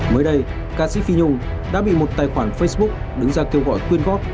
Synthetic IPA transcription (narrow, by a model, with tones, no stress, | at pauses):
məː˨˦jɗə˧j | kaː˧sḭ˧˥fi˧ɲʊ˧ŋ͡m | ɗa̰ː˧˥ɓḭ˧˨mo˨˩t̚t̪aː˨˩jxwaː˧˩nfə˧jsɓʊ˦˥k͡p̚ɗɨ˨˦ŋzaː˧ke˧əwɣɔ̰˧˨jkwi˧ənɣɔ˦˥t̚